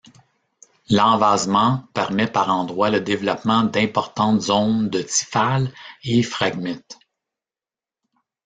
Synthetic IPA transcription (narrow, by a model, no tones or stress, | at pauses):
lɑ̃vaːzmɑ̃pɛʁmɛpaʁɑ̃ːd̪ʁwaləd̪evlɔpmɑ̃d̪ɛ̃pɔʁt̪ɑ̃t̪zɔ̃ʊnd̪ət̪i̥falefʁaɡmɛt̪